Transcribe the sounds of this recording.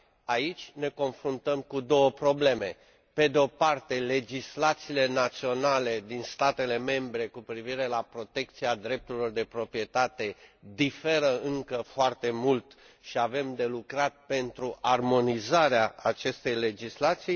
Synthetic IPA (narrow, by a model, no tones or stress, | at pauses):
ait͡ʃʲne̞ko̞nfɾunt̪əmkud̪o̞wəpɾo̞ble̞me̞ | pe̞d̪eo̞part̪e̞le̞d͡ʒislat̪siːle̞nat̪sio̞nale̞d̪inst̪at̪e̞le̞me̞mbɾe̞kupɾiviɾe̞lapɾo̞t̪e̞k̚t̪siad̪ɾe̞p̚t̪uɾilo̞rd̪e̞pɾo̞pɾije̞t̪at̪e̞d̪ife̞ɾəɨŋkəfoart̪e̞mult̪ | ʃiave̞md̪e̞lukɾat̪̚pe̞nt̪ɾuʔarmo̞nizaɾeaat͡ʃe̞st̪e̞jle̞d͡ʒislat̪sij